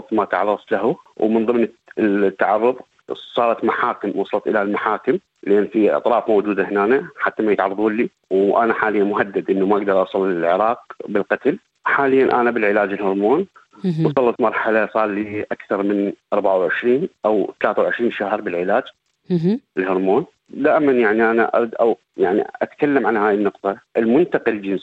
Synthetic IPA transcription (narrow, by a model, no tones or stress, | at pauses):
t̪ˤmaʔt̪ʕɑrˤːɑðˤt̪lahuwmənðˤɨmn | t̪ːaʕɑrˤːʊðˤ | sˤɑːɾˤɑt̪maħaːkɪmwʔɑsˤɑlɑt̪ˤʔɪlalmaħaːkɪm | lʔeːnːfiʔɑ̰t̪ˤɾˤɑːfmowd͡ʒuːd̪ahɪnaːnaħat̪ːamajɪt̪ʕɑrˤɑðˤuːlːi | wʔa̰naħaːlɪjːanmʊɦad̪ːad̪ʔɪnːumaʔaɡd̪ɑɾˤʔɑsˤɑlɪlʕɪɾɑːq̚bɪlqɑt̪l | ħaːlɪjːanʔanabɪlʕɪlaːd͡ʒɪlhʊɾˤmoːn | wsˤɑlːɑt̪mɑɾˤħalasˤɑːlːiʔakθɑɾˤmɪnʔɑɾˤbaʕawʕɪʃɾiːnʔawt̪alaːθawʕɪʃɾiːnʃahɾˤbɪlʕɪlaːd͡ʒ | ʔɪlhʊɾˤmoːn | d̪aːʔɪmanjaʕniʔanaʔa̰ɾd̪ʔaw | jaʕnḭʔat̪kalːamʕanhaːjɪnːʊqt̪ˤɑʔɪlmʊnt̪aqɪld͡ʒɪns